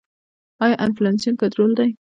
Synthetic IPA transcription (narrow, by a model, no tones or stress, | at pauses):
ɑjɑʔanflansiankat̪ɾold̪aj